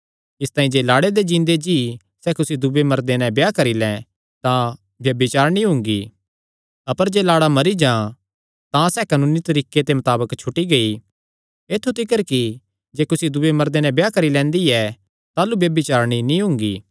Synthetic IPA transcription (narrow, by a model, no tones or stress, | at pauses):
ɪst̪aːĩd͡ʒeːlaːɽed̪ed͡ʒĩːnd̪ed͡ʒi | sɛːkʊsid̪ʊbemɐɾd̪enɛ̃bjakɐɾilɛ̃ | t̪ã | bjɐbɪt͡ʃaːɾñĩɦʊ̃ŋɡi | ɐpəɾd͡ʒeːlaːɽamɐɾid͡ʒã | t̪ãsɛːkɐnũːnit̪ɐɾiːket̪emɐt̪aːbəkt͡ʃʰʊʈiɡɐi | eːt̪ʰːut̪ʰɪkəɾki | d͡ʒeːkʊsid̪ʊbemɐɾd̪enɛ̃bjakɐɾilɛ̃ːnd̪iɛ | t̪aːlubjɐbɪt͡ʃaːɾñinĩɦʊ̃ŋɡiː